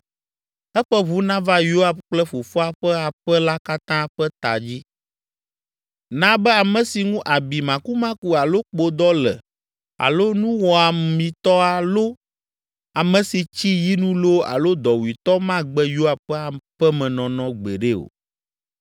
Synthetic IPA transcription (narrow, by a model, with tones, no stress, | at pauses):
ɛ˦ɸɛ˦βu˦nã˦va˦jo˦a˨bk͡plɛ˦fo˨fɔ˦a˨ɸɛ˦a˨ɸɛ˦la˦ka˦t̪ã˦ɸɛ˦t̪a˨d͡ʑi˦ | nã˦bɛ˦a˨mɛ̃˨si˨ŋũ˦ʔa˨bi˨mã˨ku˦mã˦ku˦a˨lo˦k͡po˨d̪ɔ˦lɛ̰˨ | a̰˨lo˦nũ˦wɔ˨a˨mĩ˨t̪ɔ˦a˨lo˦ | a˨mɛ̃˨si˨t͡ɕi˦ji˦nũ˦lo˦a̰˨lo˦d̪ɔ˨wi˨t̪ɔ˦mã˦ɡ͡bɛ˦jo˦a˨b̚ɸɛ˦a˨ɸɛ˦mɛ̃˨nɔ̃˨nɔ̃˨ɡ͡bɛ̰˨ɖe˦o̰˨